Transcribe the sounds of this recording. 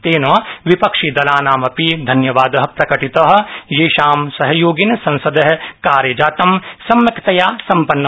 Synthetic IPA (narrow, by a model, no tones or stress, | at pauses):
t̪eːnɐʋipɐkʂid̪ɐlaːnaːmɐpid̪ʱɐnjɐʋaːd̪ɐɦɐ̆pɾɐkɐʈit̪ɐɦɐ̆jeːʃaːmsɐɦɐjoːɡinsɐ̃nsɐd̪ɐɦɐkaːɾjɐd͡ʒaːt̪ɐmsɐmːɐkt̪ɐjaːsɐ̃mpɐnːɐ